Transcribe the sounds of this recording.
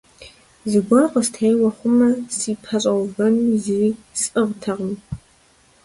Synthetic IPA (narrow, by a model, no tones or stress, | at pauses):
zɨɡʷɔrqəstʰejwɐχʷʊmɐsiːpʰɐɕʼɐwvɐnzisʼɨʁtʰɐʁəm